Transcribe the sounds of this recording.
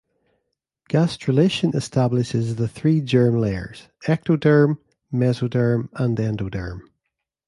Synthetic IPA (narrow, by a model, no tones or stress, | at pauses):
ɡ̥astɹ̥əlˠeʃə̃nɪstʰablˠɪʃɪzðəθɹiːd͡ʒɜ˞mlˠeə̰˞z̥ | ɛk̚tʰodɜ˞mː | ɛzodə˞mə̃ndɛ̃ndodə̰˞m